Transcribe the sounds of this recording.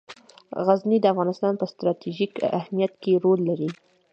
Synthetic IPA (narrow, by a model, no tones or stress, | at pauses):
ɣaznid̪əafɣɑnɪst̪ɑnpəst̪ɾɑt̪iʒikahmijat̪keɾolːaɾi